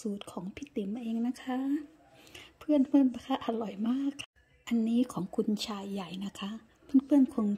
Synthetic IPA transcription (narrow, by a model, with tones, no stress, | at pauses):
suː˨˩t̪̚kʰɔː˩˦ŋpʰi˦˥˩t̪i˨˩˦mː˧ʔeː˧ŋna˦˥kʰa˦˥ | pʰɯ˥˩ənpʰɯ˥˩ənpa˧˩kʰa˦˥ʔa˧lɔ˨˩jmaː˥˩kʰːa˩ | ʔa˧nːiː˦˥kʰɔː˩˦ŋkʰu˧nt͡ɕʰaː˧jːa˨˩jna˦˥kʰa˦˥ʔ | pʰɯ˥˨npʰɯ˥˩ənkʰo˧n